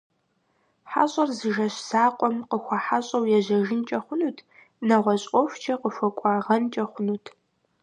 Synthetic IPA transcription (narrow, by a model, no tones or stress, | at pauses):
ħa̰ɕʼɐrzɨʒɐɕz̥aːqʷʼɔmqəxʷɐħaɕʼɐwjɛʑɐʒɪnt͡ʃʼɐχʷʊnuːtʰ | nɐʁʷɔɕʼɔft͡ʃʰɐqəfʷɐkʷʼɑːʁɐnt͡ʃʼɐχʷʊnuːtʰ